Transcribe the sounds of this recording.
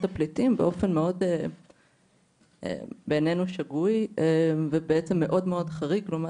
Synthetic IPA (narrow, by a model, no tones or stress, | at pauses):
taplitimbeʔo̞fe̞nmeo̞de | ḛbenenuʃaɡujevebeet͡semːeʔo̞dmeo̞dχaʁikloma